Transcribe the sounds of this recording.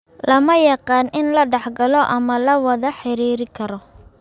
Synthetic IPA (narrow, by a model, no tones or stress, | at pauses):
lɐmɐjɑqɑːnɪnlɐɖɑħɡɐlɔʔɐmɐlɐwɐðɐħɪɾiːɾɪkʰɐɾɔ